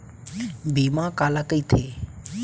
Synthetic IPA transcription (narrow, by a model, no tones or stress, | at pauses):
bʱiːmãkaːlakəiːt̪ʰeː